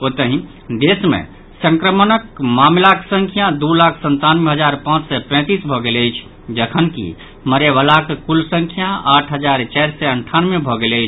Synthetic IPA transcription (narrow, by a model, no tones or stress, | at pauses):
ot̪əɦĩ | d̪esmḛ̃ | sə̃ŋkɾəmənəkmamlaksəŋkʰjad̪ulakʰsənt̪anmeɦəd͡ʒaɾpãt͡ʃsɛpɛ̃ːt̪isbʱɔɡeləjt͡ʃʰ | d͡ʒəkʰənkḭ | məɾeʋəlakkulsə̃ŋkʰjaaʈʰɦəd͡ʒaɾt͡ʃɛɾsɛəɳʈʰanmebʱɔɡeləjt͡ʃʰ